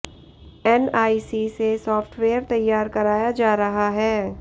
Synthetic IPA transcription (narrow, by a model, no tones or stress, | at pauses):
ɛnaːisisesɔːfʈweːəɾt̪ɐjːaːɾkɐɾaːjad͡ʒaːɾɐɦaɦɛː